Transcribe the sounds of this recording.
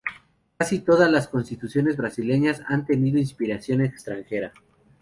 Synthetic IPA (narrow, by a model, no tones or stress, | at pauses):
kasit̪o̞ðazlasko̞nst̪it̪usjo̞ne̞zβɾasile̞ɲasant̪e̞niðoinspiɾasjo̞nekst̪ɾaŋxe̞ɾa